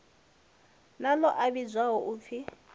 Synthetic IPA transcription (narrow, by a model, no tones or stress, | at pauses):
nalɔʔaβid͡zwaɦɔʔuːp̪fʰi